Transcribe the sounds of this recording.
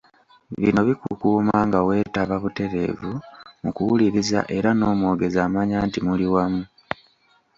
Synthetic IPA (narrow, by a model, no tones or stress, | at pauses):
βino̞βikukuːmaːŋɡawe̞ːtaβaβute̞ɾe̞̰ːvumukuwuliɾiza̰ʔe̞ɾano̞ːmwoːɡe̞zaːmaɲaːntimuliwamu